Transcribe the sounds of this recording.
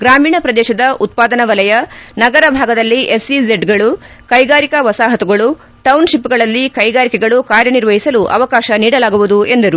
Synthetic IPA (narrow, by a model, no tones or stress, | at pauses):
ɡɾaːmiːɳɐpɾɐd̪ɛːʃɐd̪ɐʔut̪̚paːd̪ɐnɐʋɐlɐjɐnɐɡɐɾɐbʱaːɡɐd̪ɐlːiʔesʋizeɖɡɐɭu | kɐjɡaːɾikɐʋɐsaːɦɐt̪uɡɐɭu | ʈɐwnʃipːɡɐɭɐlːikɐjɡaːɾikɛɡɐɭukaːɾjɐniɾʋɐɦisɐluʔɐ̰ʋɐkaːʃɐniːɽɐlaːɡuʋud̪ue̞nd̪ɐɾu